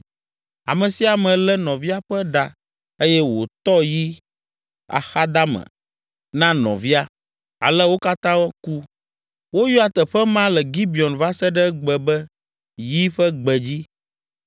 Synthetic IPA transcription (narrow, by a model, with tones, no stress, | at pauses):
a̰˨mə̃˨si˦a˨mɛ̃˨lɛ˦nɔ̃˨vi˦a˦ɸɛ˦ɖa˨ | e˦jɛ˦wo˨t̪ɔ˦ji˦ | a̰˨xa˦d̪a˦mɛ̰̃˨ | nã˦nɔ̰̃˨vi˦a˦ | a̰˨lɛ˦wo˦ka˦t̪ã˦wku˦ | wo˦ju˦a˨t̪ɛ˨ɸɛ˦mã˦lɛ˨ɡi˦bi˨ɔ˨nva˦sɛ˦ɖɛ˦ɡ͡bɛ˨bɛ˦ | ji˦ɸɛ˦ɡ͡bɛ˨d͡ʑi˦